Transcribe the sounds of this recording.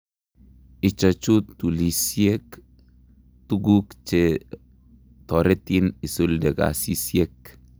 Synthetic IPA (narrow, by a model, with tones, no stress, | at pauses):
i˨t͡ʃa˨t͡ʃu˦t̪ːu˨li˨sie˦k | t̪u˦ɡu˦kt͡ʃe | t̪ɔ˨ɾe˦t̪i˦ni˨su˦ldɛ˨ɡa̰˨si˦sie˦k